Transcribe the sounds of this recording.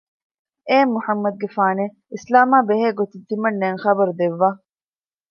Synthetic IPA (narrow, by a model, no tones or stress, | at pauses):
eːmːuħɐmːɐd̪̚ɡefaːne | islaːmaːbeɦeːɡot̪id̪imɐnːeːŋχɐbɐɾud̪eʋːaː